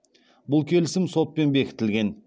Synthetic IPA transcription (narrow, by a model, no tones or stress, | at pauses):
bʊlˠkʲʰe̞lɪsɪmso̞t̪̚pe̞nbe̞kʲʰɪ̥t̪ɪlɡʲe̞n